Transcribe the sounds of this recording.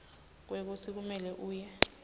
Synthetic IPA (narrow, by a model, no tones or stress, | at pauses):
k̬wek̬usʰik̬umɛlɛʔuːjɛ